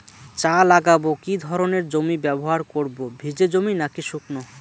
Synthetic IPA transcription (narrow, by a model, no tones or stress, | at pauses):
t͡ɕalaɡabokid̪ʱɔɾoneɾd͡ʑomibɛboɦaɾkoɾbobʱid͡ʑed͡ʑominakiʃukno